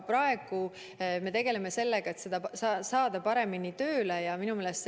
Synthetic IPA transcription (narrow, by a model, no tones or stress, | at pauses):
pɾɑe̞ɡ̥u | me̞t̪e̞ɡ̥e̞le̞me̞se̞lːeɡ̥ɑe̞t̪sed̪ɑsɑsɑːd̪ɑpɑɾe̞minit̪ø̞ːlejɑminumeːlest̪